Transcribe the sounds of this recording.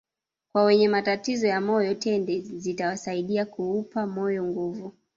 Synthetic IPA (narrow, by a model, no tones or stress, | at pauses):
kwawɛɲɛmatatizɔjamɔjɔtʰɛndɛzitawasaiɗiakuupamɔjɔŋɡuvu